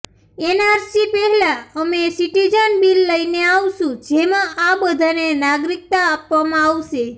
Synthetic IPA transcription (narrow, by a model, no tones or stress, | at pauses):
enaɾsipɛɦɛlaəmesiʈid͡ʒənbilːəineaʋʃũd͡ʒemãʔabəd̪ʱanenaɡɾik̚t̪aːpʋamãaʋʃe